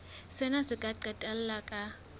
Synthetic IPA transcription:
sɛnasikʼaǃɛtʼɛllakʼa

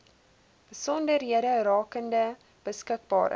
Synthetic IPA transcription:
b̥əsɔndərɦiəɾərɑːkəndə | b̥əskək̚bɑ̰ːɾə̰

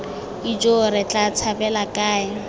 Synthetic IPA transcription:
id͡ʒʼoɾɪt͡ɬʼat͡sʰabɛlakʼaːɪ

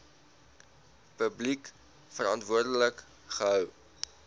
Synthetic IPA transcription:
pəblik | fərɑntvuərdələk | χəɦœw

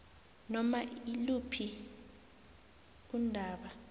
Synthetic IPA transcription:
nɔmailupʰi | undʱaːɓa

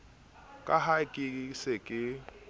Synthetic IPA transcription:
kʼahakʼɪsekʼɪ

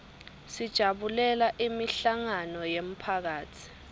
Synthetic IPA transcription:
sid̥ʒ̥ʱaɓulɛlaʔimiɬaŋanɔjem̩pʰak̬aːtʰi̥

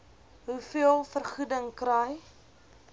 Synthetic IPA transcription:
ɦufiəlˠfərχudəŋkɾɛj

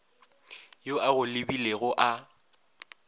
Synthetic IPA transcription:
joʔaɣʊlɪbileɣʊʔa

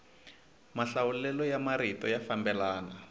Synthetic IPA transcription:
maɬawulɛlɔjamaɾitɔjafambɛlaːna

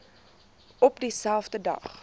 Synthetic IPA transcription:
ɔpdisælˠfdədɐ̰χ

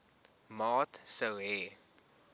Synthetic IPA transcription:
mɑːtsəwɦɛː

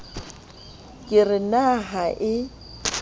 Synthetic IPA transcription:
kʼɪrɪnaɦaʔɪ

